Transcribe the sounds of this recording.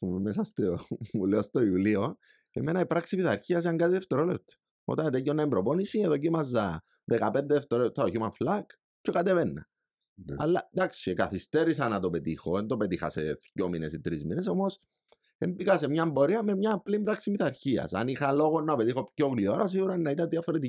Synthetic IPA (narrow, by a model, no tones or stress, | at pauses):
umesɐst̪omuleost̪oiulio | eme̞nɐipɾaksimiθɐɾçiɐsiɐŋɡɐt̪iðeft̪eɾolept̪e̥ | o̰t̪ɐnt̪ecːonːɐembɾoponisieðoc̬imɐzːɐ | ðekɐpe̞nd̪eðeft̪eɾoet̪ʰːɐoçimɐɱflɐk | cekat̪evenːɐ̰ | ɐ̰lːɐd̪aksikɐθist̪eɾisɐnɐt̪o̞pe̞t̪ixoend̪ope̞t̪ixɐ̰sḛðjominḛsit̪ɾizmineso̞mos | ḛmbikɐsemɲɐemboɾiɐme̞mɲɐplimbɾaksimiθaɾçiɐ̰sɐ̰nixɐlo̞ɣonːɐpe̞t̪ixo̞pcoklioɾɐs̬iɣuɾɐnːɐit̪ɐðiɐfoɾet̪i